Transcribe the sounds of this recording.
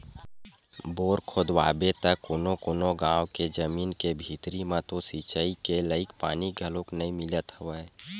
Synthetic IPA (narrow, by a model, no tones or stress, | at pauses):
boːɾkʰoːd̪wa̰ːbet̪əkːoːnokoːnoɡãːwked͡ʒəmiːnkebʱiːt̪ɾimãt̪osit͡ʃəikeləɪkpa̰ːniɡʱəlõknəĩmɪlət̪həʋə